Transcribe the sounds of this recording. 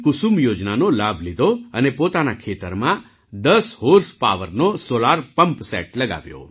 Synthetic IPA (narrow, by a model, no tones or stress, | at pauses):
kʊsumjod͡ʒnanolabʱlid̪ʱoənepot̪anakʰet̪əɾmã | d̪əshoɾspa̰ʋəɾnosolaɾpəmpsɛ̰ʈləɡa̰ʋjo̰